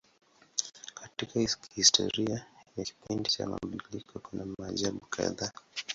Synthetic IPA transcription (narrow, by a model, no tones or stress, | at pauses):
kʰatikahhistʰɔ̰ɾiajaki̥pindit͡ʃa̰ma̰mbulikʰɔkunamaʄaɓukʰa̰ða